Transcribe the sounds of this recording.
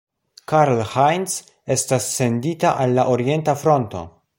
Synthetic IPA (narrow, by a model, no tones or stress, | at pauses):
kaɾlhajns | e̞stasːe̞nditaʔalːaʔoɾie̞ntafɾo̞nto̞̰